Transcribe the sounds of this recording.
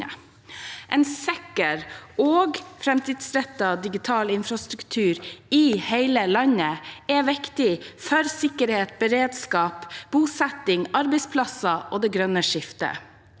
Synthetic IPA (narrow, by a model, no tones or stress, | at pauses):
ʔɛnsɛkəɾoːɡfɾɛmt̪ɪːd̪sɾɛt̪ːɑd̪ɪɡɪt̪ʰɑːlɪnfɾɑst̪ɾʉkt̪ʰʉːɾiheɪləlɑnəɛʋɪkt̪ɪfœɾsɪkəɾheːt̪̚bəɾeːd̪skɑːpb̥uːsɛt̪ɪŋɑɾbɛɪspʰlɑsɑʔoːd̪ɛɡɾœnəʂɪft̪ə̰